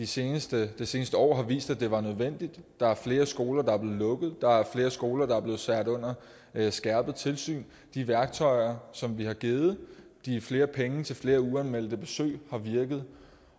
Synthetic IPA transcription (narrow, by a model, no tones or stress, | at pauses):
d̥iseːnəsd̥əd̥e̝se̝ːnəsd̥əɒ̰ːɦɑ̈ʋḭːsd̥æd̥e̝ʋɑ̈nøð̞ˠʋen̰d̥id̥ːɑ̈æɐfle̝ːɐsɡ̥o̝ːlɐd̥ɑ̈æɐb̥le̝ːð̩ˠlɔ̽ɡ̥ð̞̩ˠd̥ɑ̈æɐfle̝ːɐsɡ̥o̝ːlɐɾ̥ɑ̈æɐb̥le̝ːð̩ˠsæɐ̰ɾ̥ɔ̽n̰ɐ | sɡ̥æɐb̥ð̞̩ˠt͡sʰe̝lsy̰ːn | d̥iʋæɐɡ̥̚t͡sʰɒ̽ɪ̰ɐsɒ̽mʋihɑ̈ɡ̥e̝ːð̩ˠd̥ifle̝ːɐpʰeŋət͡sʰe̝lfle̝ːɐuænmel̰d̥əb̥e̝sø̰ːhɑ̈ʋiɐɡ̥ð̞̩ˠ